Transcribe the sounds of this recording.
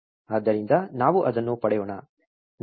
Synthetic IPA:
aːd̪ːɐɾind̪ɐnaːʋuʔɐd̪ɐnːupɐɽɛjoːɳa | n

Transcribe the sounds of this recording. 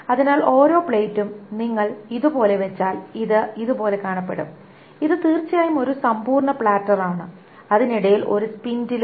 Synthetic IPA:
ɐðinaːlo̞ːɾo̞ːpɭejtːumniŋːɐɭiðubo̞ːle̞ʋe̞t͡ɕːaːliðɨiðupo̞ːle̞kaːɳɐpːe̞̰ɽum | iðɨt̪iːrt͡ɕːijaːjumo̞ɾusɐmpuːrɳɐpɭaːtːɐraːɳɨ | ɐðiniɽɐjilo̞̰ɾuspindil

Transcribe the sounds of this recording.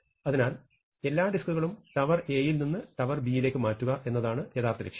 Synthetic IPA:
ɐðinaːl | e̞lːaːɖiskuɣɐɭumʈɐʋɐre̞ːjilninːɨʈɐʋɐrbijile̞ːkːɨmaːtːuɣɐʔe̞nːɐðaːɳɨjeðaːrt̪ɐɾekʂɐ̥

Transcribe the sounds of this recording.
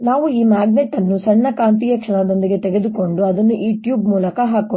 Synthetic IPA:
naːʋuiːmaːɡneʈːɐnːusɐɳːɐkaːnt̪ijɐkʂɐɳɐd̪o̞nd̪iɡe̞t̪eɡe̞d̪uko̞ɳɖuɐd̪ɐnːujuːʈjuːbmuːlɐkɐɦaːkɐ

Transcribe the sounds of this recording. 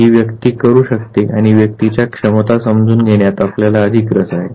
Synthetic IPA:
ɦiːʋjəkt̪iːkəɾuːɕəkt̪eʔaɽ̃iʋjək̚t̪it͡ɕjakʂəmət̪asəmd͡zʱuːnɡʱeɳjat̪apljalaəd̪ʱiːkɾəsaɦe

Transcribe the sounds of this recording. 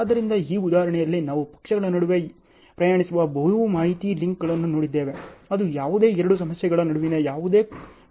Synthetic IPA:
d̪ɐɾind̪ɐiːud̪aːɦɐɾɐɳɛjɐlːinaːʋupɐ̥kʂɐɡɐɭːɐnɐɽuʋe̞ | pɾɐjaːɳisuʋɐbɐjuumaːɦit̪iliŋkɡɐɭɐnːuno̞ːɽid̪ːe̞ːʋe̞ɐd̪ujaːʋud̪e̞ːɛɾɐɽus̬ɐmɐsjɛɡɐɭɐnɐɽuʋinejaːʋud̪e̞ː

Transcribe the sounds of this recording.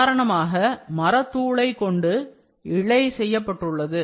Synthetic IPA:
ɾɐɳɐmaːɣɐmɐɾɐt̪ːuːɭɐɪkːɔɳɖɯ | ɪɭɐɪsɛjːɐpːɐʈːɯɭːɐðɯ

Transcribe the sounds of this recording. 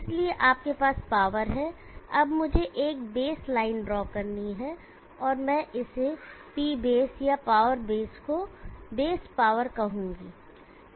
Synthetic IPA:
ɪslieʔaːp̚kepaːspaːʋəɾɦɛɐbmʊd͡ʒʱeʔeːk̚beːslaːɪnɖɾɔːkɐɾniɦɛ | ɔːɾmɛ̃ʔɪsepiːbeːsjapaːʋəɾbeːskobeːspaːʋəɾkɐɦũːɡiː

